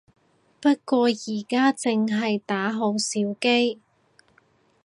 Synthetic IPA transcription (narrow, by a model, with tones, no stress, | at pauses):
pɐ˥t̚kʷwɔː˧jiː˨˩kaː˥t͡sɪ˨ŋɦɐ˨jt̪aː˨˥ɦo˨˧wsiː˨˥wke˥j